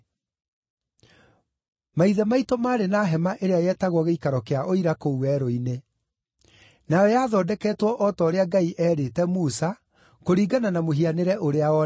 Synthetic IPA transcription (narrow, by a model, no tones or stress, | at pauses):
maiðɛmaitomaːɾenaːɦɛmaʔeɾeajɛtaɣwɔɣeikaɾɔkeaʔoiɾakouwɛɾoine | najɔjaːðɔːdɛkɛːtwɔʔɔtɔoɾeaɡaiʔɛːɾetɛmusa | koɾiːɡananamoɦianeɾɛʔoɾeaɔ